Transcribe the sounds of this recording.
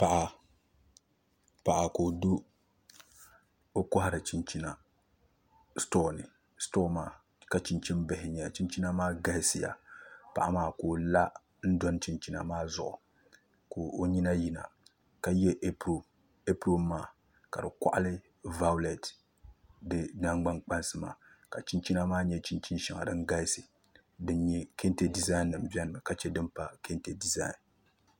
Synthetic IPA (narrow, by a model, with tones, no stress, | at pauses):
pa˨ʔa˨ | pa˨ʔa˨ko˨do˦ | o˦kʊ˦ɦa˦ɾa˨t͡ʃi˦nt͡ʃi˦na˨ | stɔː˦nɪ˨ | stɔː˦maː˨ | ka˨t͡ʃi˨nt͡ʃi˦nbɛ˨hɪ˨ɲɛ˨t͡ʃi˦nt͡ʃi˦na˦maː˦ɡa˦hɪ˦sɪ˨ja̰˨pa˨ʔa˨maː˦˨ko˨la˦ | n̩˦dɔ˦n˦t͡ʃi˨nt͡ʃi˦na̰˨maː˦zʊ˨ʔʊ̰˨ | ko˨o˦ɲi˦na˦ji˨na̰˨ | ka˦jɛ˦ʔ | e˦pɾo˦mːaː˦˨ | ka˨dɨ˨kʷa˦˨ʔa˦lɨ˦ | va˦lɛ˨t | dɨ˦na˦ŋɡ͡ba˦ŋk͡pa˦nsɨ˦ma̰ː˨ka˨t͡ʃi˦nt͡ʃi˦na˦maː˦ɲɛ˦t͡ʃi˦nt͡ʃi˦nʃi˨ŋa̰˨dɨ˦ŋ˦ɡa˦sɨ˨ | dɨ˦nɲɛ˦ke˦nte˨di˨za˦i˦nːɨ˨mbɛ˦nɨ˨ma˨ka˨t͡ʃɛ˦dɨ˦mpa˦ke˦nte˨di˨za̰˦i˨n